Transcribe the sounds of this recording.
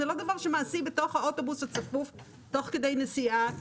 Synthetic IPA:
ɛlod̪avaʁʃɛmaːsibətoχaotobusat͡safuf | toχkədejnesia

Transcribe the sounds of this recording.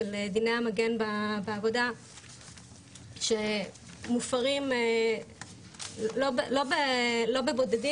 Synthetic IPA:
eld̪ineamaɡenbabeavo̞d̪a | ʃe | mufaʁime | loblo̞belo̞bebo̞d̪edi

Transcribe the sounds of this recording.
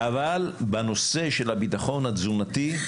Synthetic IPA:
ʔavalbano̞se̞ʃe̞labit̪aχo̞nhazunati

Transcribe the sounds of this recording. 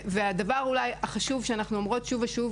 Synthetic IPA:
veadavaʁulajaχaʃuvʃeanaχnuamʁo̞tʃuvaʃuv

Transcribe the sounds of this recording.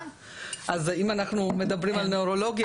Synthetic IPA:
ʔazimanaχnume̞d̪abʁimalneoʁo̞lo̞ɡj

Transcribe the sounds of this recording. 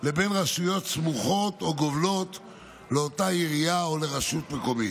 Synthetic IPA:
le̞be̞nʁaʃujo̞t̪smuχo̞t̪oɡovlo̞t̪ | leotaiʁijaole̞ʁaʃut̪me̞ko̞mi

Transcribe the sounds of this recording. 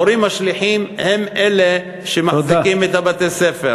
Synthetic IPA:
oɾimaʃliħimhemele | ʃemazikimet̪abat̪esefe

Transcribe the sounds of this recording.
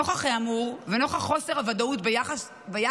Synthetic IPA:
oχaχeamuʁveno̞χaχo̞seʁavad̪autbejaχas | beja

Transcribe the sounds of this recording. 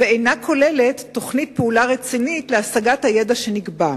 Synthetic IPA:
veejnakʰo̞le̞le̞tːo̞χnit̚peulaʁe̞t͡sinitleasaɡathajedaʃe̞niɡba

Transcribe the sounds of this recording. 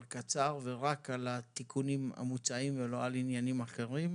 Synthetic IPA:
lkat͡saʁveʁakalat̪ikʰunima̰mut͡saimvelo̞alinjanimaχe̞ʁim

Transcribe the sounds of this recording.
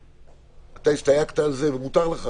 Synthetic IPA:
at̪aist̪ajakt̪aːlzevemut̪aʁleχa

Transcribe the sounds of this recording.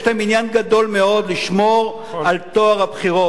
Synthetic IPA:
ʃlaminjanɡad̪o̞lmeo̞d̪liʃmoʁ | alt̪oaʁabχiʁo

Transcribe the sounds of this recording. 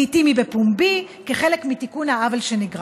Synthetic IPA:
itimibepumbi | keχe̞lekmitikunhaavalʃe̞niɡʁ

